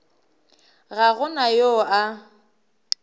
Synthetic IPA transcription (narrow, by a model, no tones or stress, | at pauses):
ɣaɣʊnajoʔa